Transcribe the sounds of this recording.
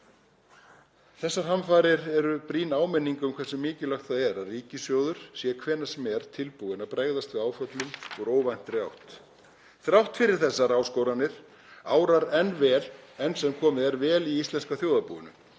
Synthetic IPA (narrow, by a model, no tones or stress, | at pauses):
θɛsːaɾ̥hamfaːɾɪɾɛɾʏpɾiːnaːwmɪnːiŋkʏmkʰv̥ɛɾsɪmːɪːcɪlaxt̪θaðɛɾaðriːcɪsjowðʏɾ̥sjɛkʰvɛːnːasmɛɾ̥t̪ʰɪlpuɣɪnapɾeɣðast̪vɪðaːwfœt̪lʏmɔɣɾoːwvajn̥t̪rjawht̪ | θɾjawht̪fɪɾɪɾ̥θɛsːaɾaːwskowɾanːɪɾ̥ | aːwɾaɾɛnvɛːlɛnsɛmkʰɔːmɪðɛɾvɛːliist̪lɛnskawθjoːwðapṵʏ̰nʏ̰